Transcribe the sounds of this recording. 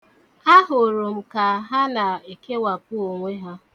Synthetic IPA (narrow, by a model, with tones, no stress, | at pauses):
a˦ɦʊ˨ɾo˨m̩˨ka˨˦ɦa˦na˨e˨ke˦wa˨p̚ʊ˦o˨ŋʷe˦ɦa˦